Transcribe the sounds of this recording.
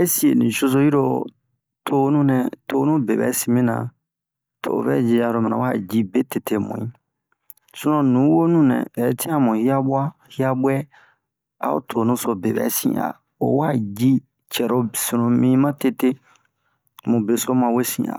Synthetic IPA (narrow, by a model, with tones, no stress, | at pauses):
e˦si˨e˨nḭ̃˨ʃo˦so˦ji˦ɾo˦˨ | tʰo˦nũ˦nɛ˨to˦nũ˦be˨bɛ̰˨˦si˨mĩ˦nã̰˨ | tʰo̰˨bɛ̰˦d͡ʒi˧a˨ɾo˦mĩ˨nã̰˨wa˦˨d͡ʒi˦be˦te˨tʰe˦mṵ̃˨ĩ˦ | su˦nɔ̃˨nũ˨˦wo˦nũ˦nɛ̰̃˨ɛ˨˦tʰĩ˦a˦mũ˨hi˦a˦bwa˦ | hi˦a˦ɓwɛ˦ | a̰˦o̰˦tʰo˨nũ˦so˧be˨bɛ̰˨˦sḭ̃˨a̰˨ | o̰˨wa˦˨d͡ʒi˦ | t͡ʃɛ˨ɾo˦sĩ˨nõ˨mĩ˦mã˦te˦te˦ | mũ˨be˨so˦mã˨we˦sḭ̃˨a̰˨